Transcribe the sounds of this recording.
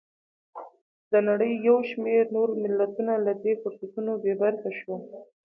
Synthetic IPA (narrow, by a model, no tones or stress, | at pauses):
d̪ənaɽəjːawʃmeɾnoɾmɪlːat̪unalad̪efʊɾsat̪unobebaɾxaʃwa